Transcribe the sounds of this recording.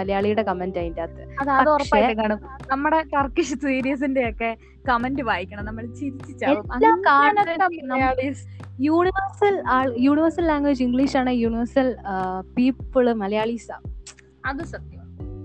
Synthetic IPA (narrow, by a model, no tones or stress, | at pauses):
ɐlɐjaːɭijuɽe̞kɐmendaːjindaːt̪ːɨɐðɐpɐðorɐʂpːaeːjʈːekaːɳum | nɐmːuɽe̞kɐrkːiɕɨt̪wiːɾijɐs̬indejokːe̞ | kɐmendɨʋaːjikʲːɐɳɐmnɐmːɐɭt͡ɕiðit͡ɕːit͡ɕːaeʋumɐːaːkaːnɐɐɐnɐɐjaːɭis | juːɳiʋɐrsɐlaːɭjuːɳiʋɐrsɐlːaːŋɡʋed͡ʑiŋɡɭiːʂaːɳɨjuːniʋɐrsɐlpiːpːɨɭɨmɐlɐjaːɭisa̰ːm | ɐðɨsɐt̪jɐmaː